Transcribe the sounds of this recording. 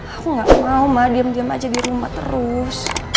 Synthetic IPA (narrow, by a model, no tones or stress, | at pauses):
akuŋɡaʔmaumadiamdiama̰d͡ʒadiɾumaht̪ə̰ɾʊs